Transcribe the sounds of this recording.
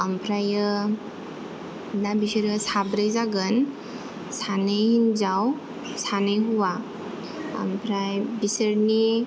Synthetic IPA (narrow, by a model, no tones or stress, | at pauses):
ampʰɾajɯ | nabisəɾɯsabɾɯjzaɡɯn | sanɯjhinzaw | sanɯjɦuwa | a̰mpʰɾajbisəɾni